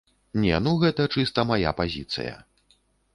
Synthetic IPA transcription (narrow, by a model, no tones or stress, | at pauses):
nʲɛ̰nuɣɛt̪ɐt͡ʂɨst̪ɐmaja̰pazʲḭt̪sɨ̰jɐ̰